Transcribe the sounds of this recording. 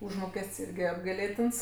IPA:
ˈʊʒmoːkʲɛsʲtʲsʲ ˈɪrʲɡʲɪ ɐbɡɐɪˈlʲeːtʲɪns

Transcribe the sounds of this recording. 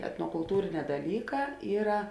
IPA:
ɛtnoːkʊlˠˈtuːrʲɪˌnʲɛː dɐˈlʲiːˌkɑː ˈiːrɐ

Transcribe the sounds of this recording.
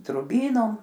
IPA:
drʊˈbʲiːnoːm

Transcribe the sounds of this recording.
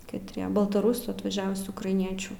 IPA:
kɐtʲˈrʲiɛ bɐlˠtɐˈrʊsuː ɐtʋɐˈʒʲæːʋʊsʲuː ʊkrɐɪˈnʲiɛt͡ʃʲuː

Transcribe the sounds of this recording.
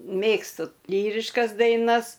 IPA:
ˈmʲeːkstʊ ˈlʲiːrʲɪʃkɐs dɐɪˈnɐs

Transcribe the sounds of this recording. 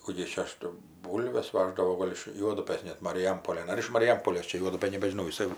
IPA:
ˈkuː ɡʲɪ jɪs t͡ʃʲɛ ˈɐʃ tɐɪ ˈbuːlʲʋʲɛs ˈʋɑːʒdɐʋoː ˈɡoːlʲ ɪʃ ˈjuɔdʊpɘs nʲɛt mɐrʲɪˈjɛmpoːlʲeːn ˈɐr ɪʃ mɐrʲɪˈjɛmpoːlʲeːs ˈt͡ʃʲɛ ˈjuɔdʊpɘn nʲɛbʲɛʒʲɪˈnɐʊ jɪˈsɐɪ

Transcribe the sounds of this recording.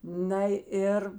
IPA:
nɐ ˈɪr

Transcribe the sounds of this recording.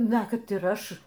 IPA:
ˈnɐ ˈkɐt ɪr ˈɐʃ

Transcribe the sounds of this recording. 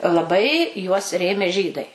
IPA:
lˠɐˈbɐɪ juɔs ˈrʲeːmʲeː ˈʒʲiːdɐɪ

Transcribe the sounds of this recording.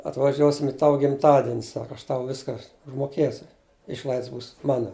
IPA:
ɐtʋɐˈʒʲuɔsʲɪm ɪ ˈtɑːʋʊ ɡʲɪmˈtɑːdʲɪnʲ ˈsɑːkɐ ɐʃ tɐʊ ˈʋʲɪskɐ ʊʒmoːˈkʲeːsʲʊ ˈɪʃlˠɐɪts buːs ˈmɑːnoː

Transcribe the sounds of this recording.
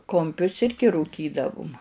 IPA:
kʊmʲˈpʲʊs ˈɪrʲɡʲɪ ruːˈkʲiːdɐʋʊm

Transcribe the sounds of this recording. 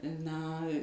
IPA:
ˈnɐ

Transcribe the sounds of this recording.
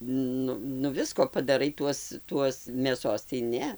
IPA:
ˈnʊ nʊ ˈʋʲɪskoː pɐdɐˈrɐɪ ˈtuɔs ˈtuɔs mʲeːˈsoːs tɐɪ ˈnʲɛ

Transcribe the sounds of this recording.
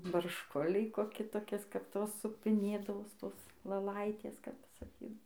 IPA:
bɐrʃˈkʊlʲɛɪ koːˈkʲɪ toːˈkʲɪs kɐp ˈtoːs sʊpʲɪˈnʲeːdɐʋoːs ˈtoːs lˠɘˈlˠɐɪtʲeːs kɐp sɐˈkʲiːdɐw

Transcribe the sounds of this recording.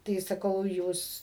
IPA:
tɐɪ sɐˈkɐʊ ˈjuːs

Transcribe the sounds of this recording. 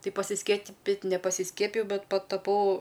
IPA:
ˈtɐɪ pɐsʲɪsʲkʲiɛˈpʲɪtʲ nʲɛpɐsʲɪˈsʲkʲiɛpʲɪjɛʊ ˈbʲɛt pɐtɐˈpɐʊ

